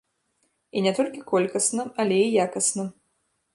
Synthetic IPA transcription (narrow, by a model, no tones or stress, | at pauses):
inʲɛt̪ɔlʲkʲikɔlʲkɐsnɨmɐlʲɛijakɐsnɨm